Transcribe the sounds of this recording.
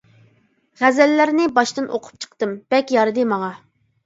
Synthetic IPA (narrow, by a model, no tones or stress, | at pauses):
ʁæzɛlːæɾnɪbɑʃt̪ɨnʔo̰qʰʊ̥p̚t͡ʃʰə̥qt̪ɨmb̥ɛkʲjɑɾɨd̪ɨmɑŋɑ